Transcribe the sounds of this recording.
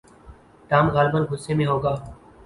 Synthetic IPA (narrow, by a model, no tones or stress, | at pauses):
ʈaːmɣaːlbənɡʱʊsːemẽɦoːɡaː